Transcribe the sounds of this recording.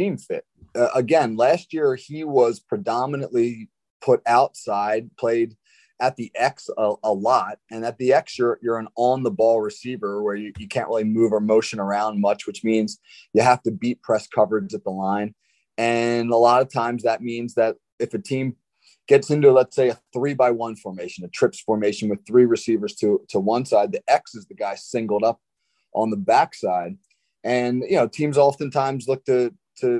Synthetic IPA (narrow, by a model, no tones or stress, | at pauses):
ĩmfɪ̰t̚ʌʔəɡɛ̃nlæst̚jɪɹiwʌz̥pʰɹ̥ɨdɑmənə̰̃nʔli | pʰʊɾaʊtsaɪd̚pʰl̥eɪɾ | ɨt̪̚ðiʔɛksəəlɔt̚ɨ̃nɨt̪̚ðiɛksjə˞jə˞ə̃nə̃nðəbɔlˠɹɨsivə˞wə˞jɨjɨkʰæ̃nʔɹɪlˠimʉvə˞moʊʃɨ̃nə˞ãʊ̃n̚mʌt͡ʃwɨt͡ʃmĩnz | jɨɦæftɨbit̚pʰɹ̥ɛskʰʌvə˞zət̪̚ðəlãɪ̃n | ɨ̃nəlɔɾʌv̥tʰãɪ̃mzðɨt̚mĩnzðɨɾ | ɨfɨtʰĩm | ɡ̥ɛtsɪ̃ntʉlətseɪɨθɹibaɪwʌ̃nfə˞meɪʃɨ̃nɨtʰɹ̥ɪpsfɔɹmeɪʃɨ̃n̩wɨð̥θɹiɹɨsivə˞z̥tʰɨtʰəwʌ̃nsaɪd̪̚ðiʔɛksɨzðɨɡaɪsɪ̃ŋɡl̩ˠdʌp̚ | ʔə̃n̩ðəbæksaɪd̚ | ʔɨ̃njɨnoʊtʰĩmzɑfɨ̃ntʰãɪ̃mzlʊk̚tʰɨ | tʰɨ